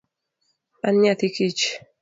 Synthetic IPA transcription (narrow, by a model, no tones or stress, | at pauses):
ʔanɲat̪ikit͡ʃ